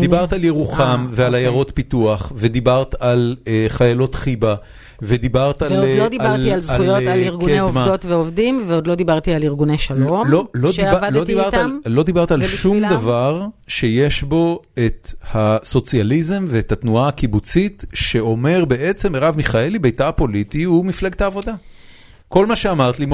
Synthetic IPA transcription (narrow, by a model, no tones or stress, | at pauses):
d̪ibaʁt̪aljeʁuχamvealajaʁo̞t̪pituaχved̪ibaʁt̪aleχajalo̞t̪χiba | ved̪ibaʁtallodilʁialzujotaliʁɡuneeomvadot̪veovd̪imveod̪lo̞d̪ibaʁt̪ialiʁɡuneʃalomloloiavalod̪ibaʁt̪llo̞d̪ibaʁt̪aalʃumd̪avaʁʃe̞jeʃbo̞e̞thaso̞t͡sjalize̞mveːt̪hat̪nuaakibut͡sitʃe̞o̞me̞ʁbe̞ʔe̞t͡se̞mʁavmiχae̞libejtapo̞lit̪iumifleɡt̪aːvo̞d̪a | ko̞lmaʃeamaʁt̪lim